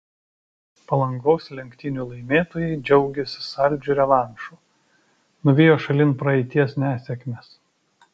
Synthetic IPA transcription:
pɐlˠɐŋɡɔːʊslʲɛŋʲkt̪ʲɪnʲuːˑlˠɐɪmʲeːt̪oːjɛɪd͡ʒʲɛʊɡʲɛsʲɪ̥sɐlʲˑd͡ʒʲuɾʲɛʋɑˑnʃuː | nʊʋʲeːjoːʃɐlʲɪnpɾɐɛɪt̪ʲiɛsnʲæːsʲɛkʲmʲeːs

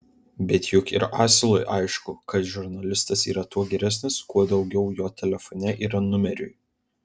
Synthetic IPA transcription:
bʲɛt̪jʊkɪɾʔɑːsʲɪlˠɔɪʔɑɪʃkʊkɐt̪ʒʲʊɾnɐlʲɪst̪ɐsiːɾɐt̪uɔɡʲɛɾʲæsʲnʲɪskuɔd̪ɒʊɡʲɛʊjoːt̪ʲɛlʲɛfɔnʲɛʔiːɾɐnʊmʲɛɾʲʊ̰j

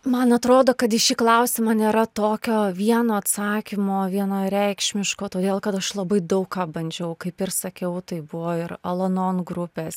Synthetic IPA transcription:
mɐnɐt̪ɾoːd̪oːkɐt̪ɪʃʲiːklˠɐʊsʲɪmɑːnʲeːɾɐt̪oːkʲoːʋʲiɛnoːɐt̪sɑːkʲɪmoːʋʲiɛnoːɾʲɛɪkʃʲmʲɪʃkoːt̪oːd̪ʲeːlˠkɐt̪ɐʃlˠɐbɐɪd̪ɐʊkkɑːbɐnʲd͡ʒʲɛʊkɐɪpɪrsɐkʲɛʊt̪ɐɪbʊʋoːɪɾɐlˠonoːnɡɾʊpʲeːs

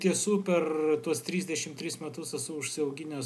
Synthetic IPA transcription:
t̪ʲiɛsuːpʲɛrt̪uɔst̪ʲɾʲiːzʲd̪ʲɛʃʲɪmt̪ʲɾʲɪsmʲɛt̪ʊsɛsʊʊʃʲsʲɪɐʊɡʲɪnʲɛ

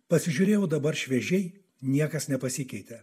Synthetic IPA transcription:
pɐsʲɪʒʲʊɾʲeːjɛʊd̪ɐbɐɾʃʲʋʲɛʒʲɛɪ | nʲiɛkɐsnʲɛpɐsʲɪkʲɛɪt̪ʲɛ

